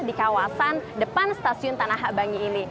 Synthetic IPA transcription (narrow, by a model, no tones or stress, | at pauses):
dikawasandəpanst̪asiʊnt̪anaɦaʔbaŋiːni